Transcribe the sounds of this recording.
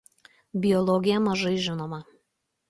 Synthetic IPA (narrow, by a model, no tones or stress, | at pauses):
bʲɪjɔlˠɔɡʲɪjɛmɐʒɐɪʒʲɪnoːmɐ